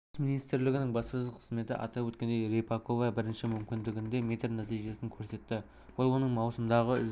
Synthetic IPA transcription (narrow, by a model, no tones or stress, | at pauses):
sminijst̪ɾlɪɡʲɪnɪŋbɑspɾəqʰə̥zme̞t̪ɪʔɑ̰t̪ɑwɵt̪kʲe̞nd̪ejɾepɑkovɑbɪɾɪnʃɪmʏmkʲɪnd̪ɪɡʲɪnd̪e̞mʲet̪rnat̪ijʒe̞sɪŋkʲʰɵɾse̞t̪ːɪ | wolˠwo̞nəɴmɑwsəmd̪ɑʁəʏ̰